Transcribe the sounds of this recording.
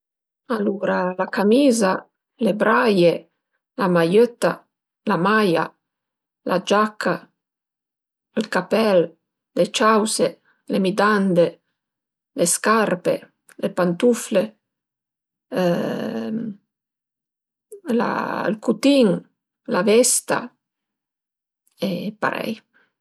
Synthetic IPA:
aluɾalakamiːza | lebɾaje | lamajøt̪ːa | lamaja̰ | lʔad͡ʒakʰːa | əlkapɛlː | et͡ʃawse | lemid̪and̪e | leskarpḛ | lepant̪ufle | la̰lkut̪iŋ | lavɛst̪a̰ | epa̰ɾɛ̰j

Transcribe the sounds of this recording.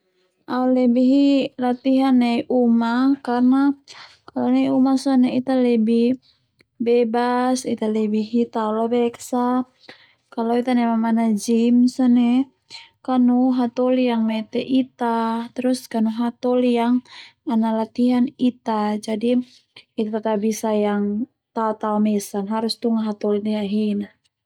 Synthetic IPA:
ʔaulɛbiɦilat̪iɦanːeʔumakarna | kalonɛumasɔnɛit̪alɛbi | bɛbasit̪alɛbiɦit̪aulabɛksa | kaloit̪anɛmamanad͡ʒimsɔnɛ | kanuɦat̪ɔlijaŋmɛt̪ɛʔit̪at̪ɛɾuskanuɦat̪ɔlijaŋanalat̪iɦanit̪ad͡ʒadiː | t̪at̪at̪abisajaŋ | t̪aɔt̪aɔmɛsanɦaɾust̪uŋaɦat̪ɔliniaɦina

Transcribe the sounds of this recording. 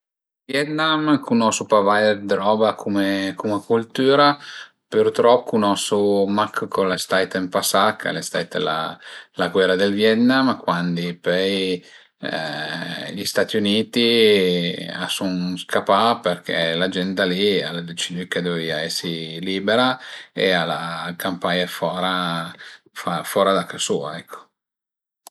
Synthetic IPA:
vjɛt̪namkʰunɔsupavajerd̪ɾɔːbakʰumekumakult̪uːɾa | pert̪ɾɔpːunɔsumakːkonlest̪ajt̪empasakʰːa̰lest̪a̰jt̪ə̰la̰laɡwɛrad̪elvjɛt̪namkwand̪ipɛj | ʎist̪at̪iuniːt̪i | a̰sunskapːaperkʰḛlad͡ʒɛnt̪alialed̪et͡ʃid̪iked̪oviaɛsːiliːbeɾaealakampaɲafɔːɾa | fafɔːɾad̪akːasuːaɛkʰːo̥

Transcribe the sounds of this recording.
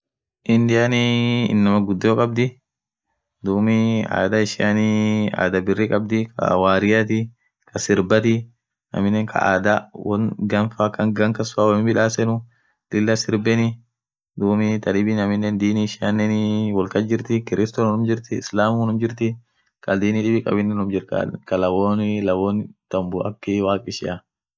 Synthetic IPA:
ʔɪnd̪ɪjaːnḭːnːɐmɐɡʊd̪ːoːkʼɐb̚d̪ɪ | d̪uːmɪa̰ːd̪ɐɪʃɪanɪa̰ːd̪ɐbɪrːɪkʼɐb̚d̪ɪkʰɐ̰waːɾɪjat̪̬ɪ | kʰɐsɪɾbɐt̪ɪ | nɐ̰mɪnːɛːŋkʰɐ̰a̰ːd̪ɐwɐnɡɐnfaːkːɐŋɡɐŋkɐsʊaːwɐmɪbɪᶑaːsɛnʊ | lɪlːɐsɪɾbɛnɪ | d̪uːmɪt̪ɐlɪbinɐmɪnːɛnd̪iːniʃɪɐnːɛnɪwɔlkɐd͡ʒɪɾt̪ɪkɪɾɪst̪onnʊmd͡ʒɪɾt̪ɪɪslaːmunʊmd͡ʒɪɾt̪ɪ | kʼɐld̪iːniːᶑɪbɪkʼɐ̰bɪnːɛnʊmd͡ʒɪɾkkɐlɐwoːnɪlɐwoːnt̪ɐmbʊʔɐ̰kːɪwaːkʼɪʃɪʔɐ

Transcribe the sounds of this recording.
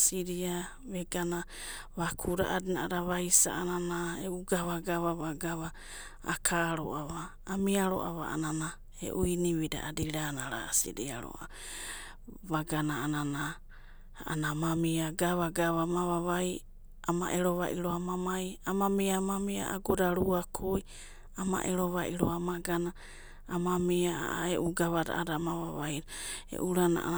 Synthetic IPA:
siɾia | βeɡana | βakʰuɾa̰ʔadinaaɾaβajsa̰ʔananaeuɡaβaɡaβaβaɡaβa̰ː | kʰaɾo̰ʔaβaː | miaɾo̰ʔaβa̰ʔa̰nana | ḛʔujniβida̰ʔadiɾanaɾa̰sḭɾḭaɾo̰ʔa̰ | βaɡanaanana | anamamiaɡaβaɡaβamaβaβaj | ama̰ʔeɾoβa̰ʔiɾoamamajamamiamamia̰ʔaɡodaɾuakʰoj | ama̰ʔeɾoβaʔiɾoamaɡanaː | mamiaa̰eʔuɡaβada̰ʔadaːmaβaβajɾaḛʔuɾana̰ʔ

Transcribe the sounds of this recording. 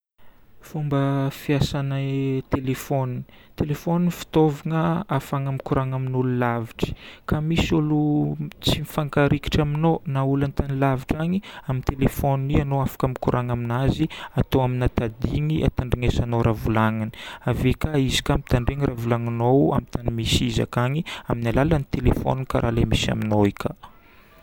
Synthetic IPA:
fumbəfiasanət̪elefonini̥t̪elefoninifi̥t̪oviŋəafaŋamikuɾʔaŋaminululaviʈ͡ʂə̥kamisulut͡simifaŋkaɾiki̥ʈ͡ʂaminonaulant̪anilaviʈ͡ʂaɲiamint̪elefonianoafḁkamikuɾʔaŋaminaziat̪oaminat̪ad̪iŋiʔa̰t̪aɳɖ͡ʐiŋesanowɾavulaŋani̥avekaizi̥kamit̪aɳɖ͡ʐeŋirʔavulaŋanowa̰mit̪animisiza̰kaɲiaminalalanit̪elefo̰nukaɾʔalemisa̰minoikʲa

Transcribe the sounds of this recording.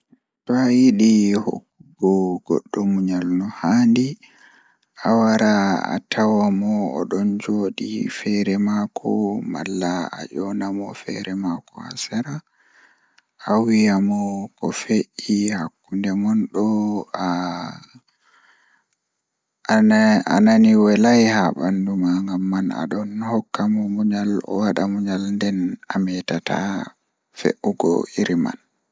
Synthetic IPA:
tɔajiɗiho̰kːuɡɔɡɔ̰ɗːɔmuɲalnɔhandi | ʔawaɾaa̰tʰawamɔɔ̰ɗɔnd͡ʒoːɗḭfɛɾɛmakʰɔ̰ma̰lːaa̰ʔɔnamɔfɛ̰ɾɛmakɔ̰a̰saɾa | awijamɔkɔ̰feʔihakːundɛŋɔnɗɔa | a̰naniwɛlajhaɓandumaŋɡamːana̰ɗɔnhɔkːamɔmuɲalɔ̰waɗamuɲalndɛnamɛtata̰ | fḛʔuɡɔ̰iɾima̰n

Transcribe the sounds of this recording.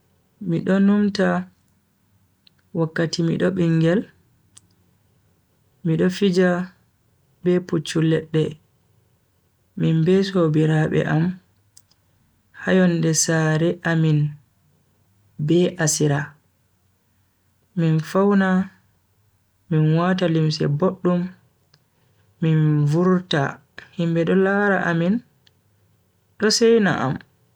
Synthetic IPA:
miɗɔnumta | wakːatimḭɗɔɓiŋɡɛl | miɗɔfid͡ʒa | bɛput͡ʃːulːɛɗːɛ | minbɛsobiɾaɓɛ̰ʔam | hajɔndɛsaɾɛʔamin | bɛʔasiɾa | minfawna | minwatalimsɛ̰boɗːum | invuɾta̰ | himbɛɗɔlaɾaʔamin | ɗɔsɛjna̰ʔa̰m

